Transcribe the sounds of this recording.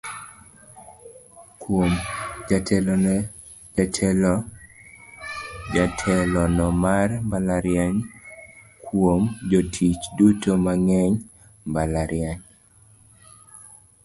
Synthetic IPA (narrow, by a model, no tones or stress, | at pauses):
kwomd͡ʒatʰɛlɔ | d͡ʒatʰɛlɔ | d͡ʒatʰɛlɔnɔmarmbalaɾjaɲ | kʰwomd͡ʒotʰit͡ʃdutomaŋɛɲ | mbalaɾjaɲ